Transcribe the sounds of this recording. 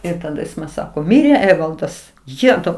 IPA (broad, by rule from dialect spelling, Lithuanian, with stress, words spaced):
ɪr tɐˈdɐ ˈjɪs mɐn ˈsɑːkoː ˈmʲɪrʲeː ˈæːʋɐlˠdɐs ˈjæːtɐʊ